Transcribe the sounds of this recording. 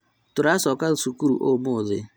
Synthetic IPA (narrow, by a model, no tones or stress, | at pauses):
tʊɾasɔkasukuɾṵʔomʊzɪ̰